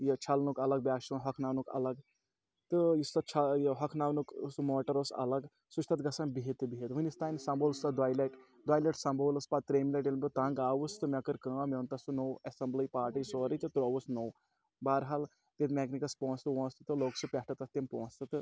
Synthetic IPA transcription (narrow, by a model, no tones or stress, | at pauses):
jet͡ʃʰɐlnukɐlɐɡ̚bʲaːʃɐ̃nɦɐkʰnaːwnukɐ̰lɐɡ | t̪ɨjist̪ɐt͡ʃʰɐjɦɐkʰnaːwnuksumoːʈɐɾosɐ̰lɐɡ | sut͡ʃʰt̪ɐt̪ɡɐsɐnbiɦet̪ɨbiɦet̪ʋɨnʲist̪aːnsɐmboːlst̪ɐd̪ʋaːjleʈ | d̪ʋaːjleʈsɐ̃mbʱoːlɐspat̪ːɾeːmileʈ̬ilmbʲot̪ãːŋɡaːʋust̪ɨmʲɐkɨɾkɐ̃ːmeʋnt̪ɐsunowesɐmblijpaːɾʈijsoːɾit̪ɨt̪uɾoʋusnow | baːɾɦal | t̪et̪mʲeɡnikɐspõːnst̪ɨʋõːnst̪ɨt̪ɨloːksɨpʲɐhʈɐt̪ɐst̪ːempõːnst̪ɨt̪ɨ